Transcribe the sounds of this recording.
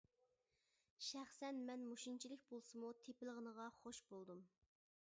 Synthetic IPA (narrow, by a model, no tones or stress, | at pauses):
ʃæχsɛnmɛnmuʃint͡ʃʰilɪkʲbolˠsɨmut̪ʰepɪlˠəʁənəʁɑχoʃbolˠd̪um